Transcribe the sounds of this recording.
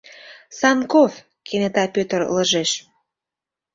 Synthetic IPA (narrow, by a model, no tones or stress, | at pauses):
sɑnkof | kʰenet̪ɑpʲøt̪ə̆ɾ̰ləʒeʃ